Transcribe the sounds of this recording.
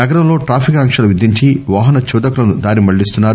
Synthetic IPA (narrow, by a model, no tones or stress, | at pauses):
nɐɡɐɾɐmlo̞ːʈɾaːpʰikɐŋkʂɐlɐʋid̪iɲt͡ʃiʋaːɦɐnɐt͡ʃuːd̪ɐkulɐnud̪aːɾimɐɭːist̪unːaːɾu